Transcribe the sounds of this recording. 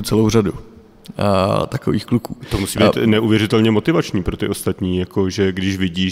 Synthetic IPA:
t͡sɛlowradu | t̪ako̰vḭːxklukṵːt̪omusiːbiːt̪nɛʔuvjɛɾɪt̪ɛlɲɛmo̞t̪ɪvat͡ʃɲiːpɾo̞t̪ɪʔo̞st̪at̪ɲiːjako̞ʒɛɡdɪʃvɪɟiː

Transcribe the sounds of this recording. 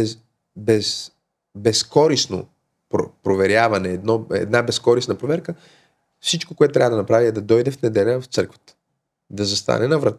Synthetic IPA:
ɛ | bɛs | bɛskɔɾisno̰ | pɾo̰pɾovɛɾʲjavɐnɛːd̪nɔɛ̰d̪nabɛskɔɾisnəpɾovɛɾkə | fsit͡ʃkokoɛt̪t̪ɾavɐəd̪ɐnɐpɾaviɛd̪ɐd̪ɔjd̪ɛfnɛd̪ɛlʲəft̪sɤɾkvə̥t̪ə̥ | d̪ɐzɐst̪a̰nɛnɐvɾɐt̪

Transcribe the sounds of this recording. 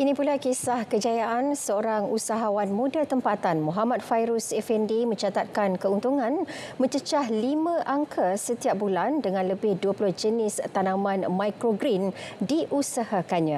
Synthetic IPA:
ʔinĩpulakesahkəd͡ʒajaʔansəoɾaŋusaɦawanmũdat̪əmpat̪anmõɦamãt̪̚fajɾusɛfɛndimə̃ɲt͡ʃat̪at̪̚kankəunt̪uŋãnmə̃ɲt͡ʃət͡ʃaɦlimãʔaŋkʰasət̪iap̚bulandəŋãnləbɪhduəpulʊhd͡ʒənɪst̪anãmãnmajkɾoɡɾindiʔusahakaɲã

